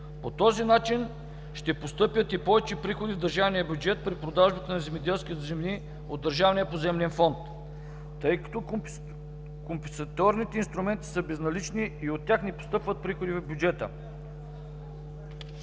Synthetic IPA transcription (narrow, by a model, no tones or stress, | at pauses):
pot̪ɔzinat͡ʃin | ʃt̪ɛpost̪ɤpʲjət̪ipɔvɛt͡ʃɛpɾixod̪ivd̪ɐɾʒavnijəbʲjud͡ʒɛt̪̚pɾipɾod̪aʒbət̪ənɐzɛmid̪ɛlˠskʲit̪zɛmni | od̪ːɐɾʒavnijəpozɛmlɛnfɔnt̪ː | ɤjkɐ̥t̪ɔ | kompɛnsɐt̪ɔɾnit̪ɛinst̪ɾumɛnt̪i̥səbɛznɐlit͡ʃniːot̪ːʲjaxnɛpo̥st̪ɤpvət̪̚pɾixod̪ivɛbʲjud͡ʒɛt̪ə̰